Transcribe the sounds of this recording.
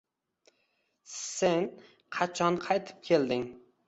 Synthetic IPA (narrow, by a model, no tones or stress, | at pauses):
sɪn | qʰɑt͡ʃʰɒnqʰɑjt̪ʰɪ̥p̚kʲʰeld̪ɪŋ